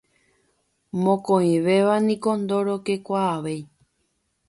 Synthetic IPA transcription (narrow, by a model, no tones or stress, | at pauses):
mõkõĩʋeʋanĩko̞nd̪o̞ɾoke̞kʷaːʋe̞j